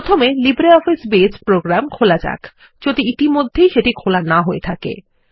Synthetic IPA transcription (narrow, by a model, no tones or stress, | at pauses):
ot̪ʰomelibɾeɔfisbespɾoɡɾamkʰolad͡ʑa̰k | d͡ʑod̪iit̪imod̪ʱːejʃeʈikʰolanaɦoet̪ʰakḛ